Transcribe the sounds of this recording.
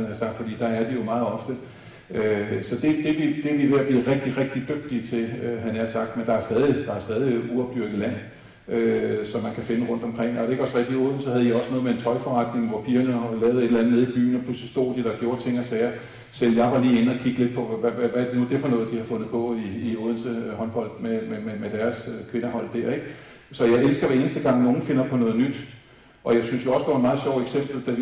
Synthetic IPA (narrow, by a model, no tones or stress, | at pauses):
ænæɐsɑ̈ɡ̥d̥fɒ̽d̥ḭːd̥ɑ̈æɐd̥ijo̝mɑ̈ːð̩ˠɒ̽fd̥ə | ʔøsɒ̽d̥e̝d̥e̝ʋid̥eʋiʋe̝ɐb̥liːʁeɡ̥̚d̥iʁɡ̥̚d̥id̥øɡ̥̚d̥iət͡sʰe̝løɦænæɐsɑ̈ɡ̥d̥mend̥ɑ̈æɐsd̥ɛːð̞ˠid̥ɑ̈sd̥ɛːð̞ˠiuɒb̥d̥yɐ̰ɡ̥ð̩ˠlæn̰ | øsɒ̽mːænkʰæfe̝nəʁɔ̽n̰d̥ɒ̽mkʰʁeŋ̰ɒdeeɡ̥ɒ̽sʁeɡ̥̚d̥ioːð̰ˠn̩sɒ̽ɦhæð̞̩ˠiɒ̽sənoɔ̽ðˠmee̝nt͡sʰɒ̽ɪfɒʁɑ̈d̥ne̝ŋʋɒpʰiːɐnəlɛːʊð̩ˠe̝ɾelænð̩ˠneð̞ˠib̥y̰ːn̩ɒpʰl̥uslisd̥o̝̰ːd̥id̥ɑ̈ɡ̥jo̝ːɐt͡sʰe̝ŋ̰ɐsɛːɐ | sel̰jɑ̈ɪʋɑ̈liːenəɒ̽kʰiɡ̥əle̝d̥̚pʰɒ̽ʋæʋæʋæ̥nuɐd̥e̝fɒ̽nɔ̽ːð̩ˠd̥ihɑfɔ̽nð̩ˠpʰɒ̽iːo̝ːðˠn̩səhɒ̽nb̥ɒ̽l̰d̥memememed̥æɐskʰʋe̝nɐɦɒ̽l̰d̥æɐ̰eɡ̥ | sɒ̽jɑ̈ɪelsɡ̥ɐʋæe̝ːnəsd̥əɡ̥ɑ̈ŋ̰no̝ːn̩fe̝nɐpʰɒ̽nɔ̽ːð̞̩ˠnyd̥ | ʔɒ̽jɑ̈ɪsynsjo̝ɒ̽sd̥ɑʋɑ̈enmɑ̈ðˠɕɒʊ̰eɡ̥sem̰b̥l̩d̥æ